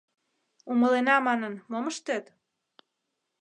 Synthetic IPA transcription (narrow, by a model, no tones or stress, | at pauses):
uməlenɑmɑnənmoməʃt̪et̪